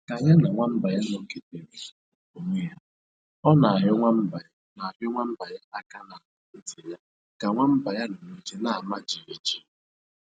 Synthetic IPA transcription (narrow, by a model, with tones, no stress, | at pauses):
ka˨ja˦na˨ŋʷa˦m̩˦ba˨ja˦nɔ˨ŋ̩˨ke˨te˨bi˨o˨mi˦ja˦ | ɔ˦na˨a˨ɦʊ˦ŋʷa˦m̩˦ba˨˦na˨a˨ɦʊ˦ŋʷa˦m̩˦ba˨ja˦a˦ka˦na˨ʊ˨n̩˦di˨ja˦ | ka˨ŋʷa˦m̩˦ba˨ja˦no˨me˦d͡ʒe˦na˨a˨ma˦d͡ʒi˨e˨d͡ʒi̥˦